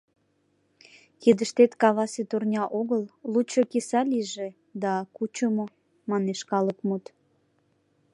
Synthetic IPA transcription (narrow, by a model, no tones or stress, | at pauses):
kid̪əʃt̪et̪kɑβɑset̪urnʲɑʔoɣəllut͡ɕokisɑliʒe | d̪ɑkut͡ɕomo | mɑneʃkɑləkmut̪